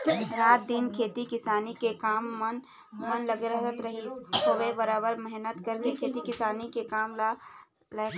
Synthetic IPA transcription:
ɾaːt̪̚d̪ɪnkʰeːt̪ikɪsaːnikekaːmːn | mənlɐɡɾəɦt̪ət̪ɾɐɦisoʋebəɾaːbəɾmɛɦnət̪kɐɾkekʰeːt̪ikɪsaːnikekaːmla | lɐ

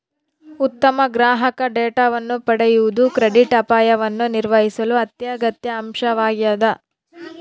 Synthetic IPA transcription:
ut̪ːɐmɐɡɾaːɦɐkɐɖeːʈaːʋɐnːupɐɽɛjuʋud̪ukɾeɖiʈɐpaːjɐʋɐnːuniɾʋɐɦisɐluɐt̪jɐɡɐt̪jɐːmʃɐʋaːɡjɐd̪ɐ

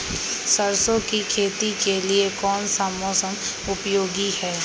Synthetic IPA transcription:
səɾsõkikʰeːt̪ikeliekɔːnsaːmoːsəm | ʊpjoːɡihɛː

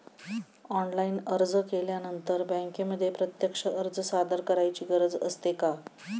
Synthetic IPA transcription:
ɔnlaiːnəɾd͡zəkeljanənt̪əɾbə̃ŋkeməd̪ʱːjepɾət̪jəkʂəʔəɾd͡zəsad̪əɾkəɾajt͡ɕiːɡəɾəd͡zəst̪eka

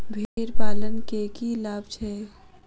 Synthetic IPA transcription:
bʱiɾpaːlənkekilaːb̚t͡ʃʰɛː

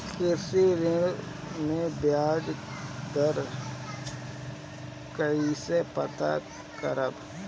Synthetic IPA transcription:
kʰɪɾsiɾɪɽ | mẽbjaːd͡ʒd̪əɾ | kəisepət̪a̰ | kəɾəb

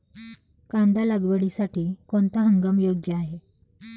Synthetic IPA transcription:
kand̪aləɡʋəɽisaʈiːkont̪aɦəŋɡəmjoɡjəaɦe

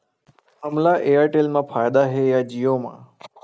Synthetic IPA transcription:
həmlaʔeːaʈeːlmãpʰaːjd̪aɦeːjad͡ʒijoːmã̰ː

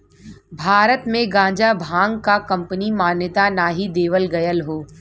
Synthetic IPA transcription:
bʱaːɾət̪mẽɡãːd͡ʒabʱãːŋɡkakɐ̃mpənimaːnjət̪anaːɦid̪eːʋəlɡɐjəlɦoː

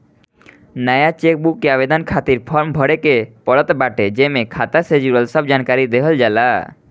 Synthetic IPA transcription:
najat͡ʃek̚bukːeabed̪ɔnkʰat̪iɾpʰɔɾmbʱɔɽekepɔɽɔt̪baʈed͡ʑemekʰat̪ased͡ʑuɾəlsɔbʱd͡ʑankaɾid̪eɦɔld͡ʒala

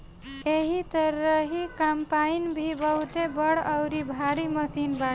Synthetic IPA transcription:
eɦit̪əɾəɦikampainbʱibəɦut̪ebəɽəwɾibʱaɾiməsinba

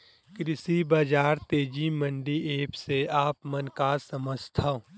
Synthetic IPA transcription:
kɾɪsibaːd͡ʒaːɾt̪eːd͡ʒimə̃ɳɖieːpseaːpmɐnkasɐməd͡ʒt̪ʰaõ

